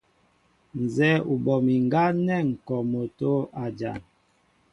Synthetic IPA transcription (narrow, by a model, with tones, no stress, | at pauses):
n̩˨zɛ˦u˨bɔ˨mi˨ŋɡa˦nɛ˦˨ŋ̩˨kɔ˨mo˨to˦a˨d͡ʒa̰˨n